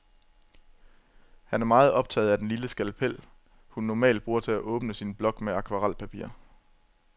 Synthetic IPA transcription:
hænæɐmɑ̈ːð̞̩ˠɒ̽b̥̚t͡sʰɛ̰ːð̩ˠæd̥enliləsɡ̥ælpʰel̰ | hunːɒmɛ̰ːld̥̚b̥ʁuːɐt͡sʰe̝læʔɔ̽ːb̥nəsinb̥lɒ̽ɡ̥meɑ̈kʰʋɑ̈ʁɑl̰pʰæpʰḭɐ̰

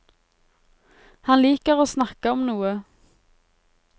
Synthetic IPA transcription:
hɑnliːkəʁoːsnɑkəɔmnuːə

